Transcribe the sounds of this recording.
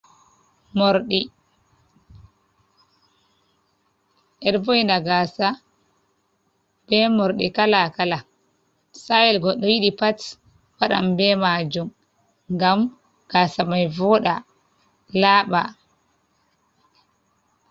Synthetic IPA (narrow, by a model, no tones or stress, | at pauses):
mɔɾɗi | ʔɛɗbojnaɡaːsa | b̥ɛmɔɾɗikalakala | sajɛlɡɔɗːɔjiɗipat | waɗa̰mbɛmad͡ʒum | ŋɡam | ɡ̥asamajvɔːɗa | laːɓa̰